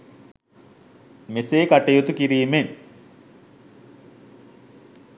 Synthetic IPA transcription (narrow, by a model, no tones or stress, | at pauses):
meseːkaʈːejot̪ukiɾiːmen